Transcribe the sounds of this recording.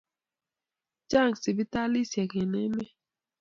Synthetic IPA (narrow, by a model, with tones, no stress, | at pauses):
d͡ʒa˦˨ŋsi˨bi˦ta˦li˦˨sjɛ˨kɛ˨nɛ˦mɛ˦